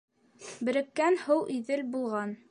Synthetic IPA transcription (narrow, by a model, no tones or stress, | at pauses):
bɘ̆ɾɘ̆kːænhɤwʔiðɘlbulˠʁɑn